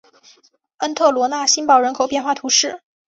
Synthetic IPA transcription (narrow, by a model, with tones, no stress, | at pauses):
ə˥nt̪ʰɤ˥˩lwɔ˧˥na˥˩ɕi˥npɑ˥˩ʊɻə˧˥nkʰo˨˩ʊpjɛ˥˧nxwa˥˩t̪ʰu˧˥ʂɻ̩˥˩